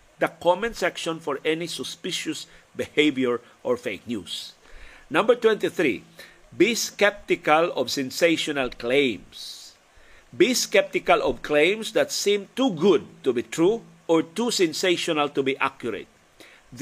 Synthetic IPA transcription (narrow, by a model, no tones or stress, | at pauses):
d̪əkʰɔmə̃nsɛkʃɔ̃nfɔɹɛnisɔspɪʃusbiheɪvjəɹ | ʔɔɹfeɪknjṵs | nʌ̃mbə˞t̪wɛ̃nt̪iθɹḭ | biskɛp̚t̪ikalɔvsɛ̃nseʃɔnalklẽms | biskɛp̚t̪ikalɔvkʰlẽɪ̃msðætsĩmt̪uɡʊd̪̚tubit̪ʰɹu | ɔɹt̪usɛ̃nseʃɔnalt̪ubiʔakjuɾḛt̪̚ | ð